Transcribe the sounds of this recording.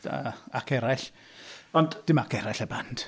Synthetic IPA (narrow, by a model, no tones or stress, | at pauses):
a̰akʰɛɾaɬ | ɔnd̥d̥ɪmakʰɛɾaɬɛband̥